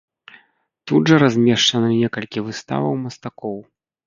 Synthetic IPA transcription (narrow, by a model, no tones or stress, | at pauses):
t̪udʐɐɾazʲmʲɛʂt͡ʂɐnɨnʲɛkɐlʲkʲivɨst̪a̰vɐwmɐst̪akɔw